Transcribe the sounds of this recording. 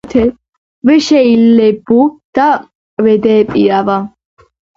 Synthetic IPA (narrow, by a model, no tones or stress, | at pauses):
t̪ʰɛ | wɪʃɛɪlːɛbːʊd̪̥ɐ | wɛd̪eːpʼɪjɐvɐ